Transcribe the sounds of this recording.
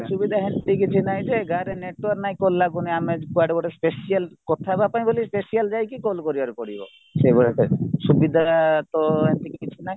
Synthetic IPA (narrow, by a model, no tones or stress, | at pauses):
subid̪ʱaɦent̪ikit͡ʃʰinajd͡ʒeɡʱaɾeneʈaɾknajkolːaɡuniamekuaɖbɔʈespesialkɔt̪ʰabapaj̃bolispesiald͡ʒajkikolkoɾibaɾkoɽibɔ̰ | seboɽet̪esubid̪ʱat̪ɔɦent̪ikikit͡ʃʰinaj